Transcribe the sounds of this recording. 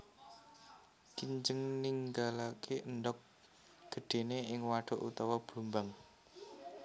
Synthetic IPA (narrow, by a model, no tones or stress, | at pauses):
kiɲd͡ʒəŋniŋɡalakʰeəndɔk̚ | ɡ̥ə̤ɖ̥e̤neɪŋwaɖ̥ɔ̤ʔṵt̪ɔwɔb̥lumbaŋ